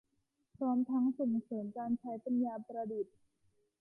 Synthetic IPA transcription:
pʰɾɔː˦˥mt̪ʰa˦˥ŋso˨˩ŋsɤː˩˦nkaː˧nt͡ɕʰa˦˥jpa˧njaː˧pɾa˧du˨˩t̪̚

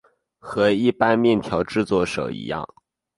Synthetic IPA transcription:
xɤ˧˥i˥˩pa˥nmjɛ˥˩nt̪ʰjɑ˧˥ʊʈ͡ʂɻ̩˥˧t͡swɔ˥˩ʂo̰˨˩ʊʔḭ˧˥jɑ̰˥˩ŋ

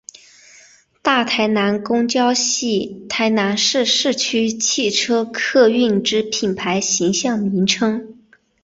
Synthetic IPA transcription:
t̪a˥˩t̪ʰa˧˥ɪna˧˥nkʊ˥ŋt͡ɕjɑ˥ʊɕi˥˩t̪ʰa˧˥ɪna˧˥nʂɻ̩˥˧ʂɻ̩˥˩t͡ɕʰy˥t͡ɕʰi˥˩ʈ͡ʂʰɤ˥kʰɤ˥˧y˥˩nʈ͡ʂɻ̩˥pʰi˨˩npʰa˧˥ɪɕi˧˥ŋɕjɑ˥˩ŋmi˧˥nʈ͡ʂʰɤ˥ŋ

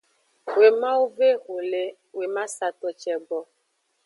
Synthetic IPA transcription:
we˨mã˦u˦ve˦ɣo˨le˦ | we˨ma˦sa˨t̪ɔ˨t͡ʃɛ˨ɡ͡bɔ˨

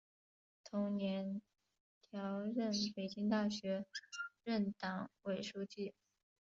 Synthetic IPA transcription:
t̪ʰʊ˧˥ŋnjɛ˧˥n | t̪ʰjɑ˧˥ʊɻə˥˩npe˨˩t͡ɕi˥ŋt̪̬a˥˩ɕɥɛ˧˥ɻə˥˩nt̪ɑ˨˩ŋwe˨˩ɪʂu˥˧t͡ɕi˥˩

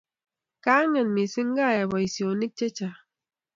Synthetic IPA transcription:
ka˦ŋə˨nmi˨si˦ŋ˦ɡa˦˨ja˨bɔ˨i˨sjo˨ni˦k̚t͡ʃe˦t͡ʃa˨

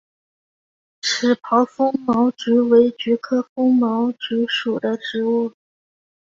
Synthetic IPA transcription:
ʈ͡ʂʰɻ̩˨˩pʰɑ˧˥ʊfʊ˥ŋmɑ˧˥ʊʈ͡ʂy˧˥we˧˥ɪt͡ɕy˧˥kʰɤ˥˩fʊ˥ŋmɑ˧˥ʊʈ͡ʂy˧˥ʂu˨˩d̪ə˦ʈ͡ʂɻ̩˧˥u˥˩

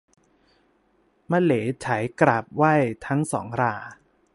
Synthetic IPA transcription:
ma˧˩leː˩˦t͡ɕʰa˩˦jkɾa˨˩p̚wa˥˩jt̪ʰa˦˥ŋsɔ̰ː˩˦ŋɾaː˧˩

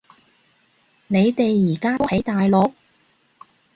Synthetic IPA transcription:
ne˨˧jt̪e˨jːiː˨˩kaː˥t̪o˥whɐ˨˥jt̪aː˨jlɔ˨˥k̚

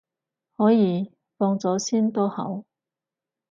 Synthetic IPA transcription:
hɔː˨˥jiː˨˧˥ | fɔː˧ŋt͡sɔː˨˥siː˥nt̪o˥hɐ̰˨˥w

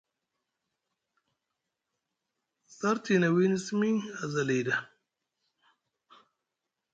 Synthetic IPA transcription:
sa˦ɾt̪ʰi˨na˨wi˦ni˦smi˦a˨za˨le˨jda˨

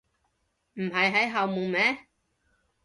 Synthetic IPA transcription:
m̩˨˩ɦɐ˨jɦɐ˨˥jɦɐ˨˧wmuː˨ŋmɛ˨˥

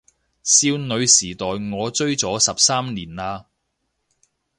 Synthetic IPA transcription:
siː˧wnɵ˨˧ɥsiː˨˩t̪ɔː˨jŋɔː˨˧t͡ʃɵ˥ɥt͡sɔː˨˥sɐ˨p̚saː˥mniː˨˩naː˧

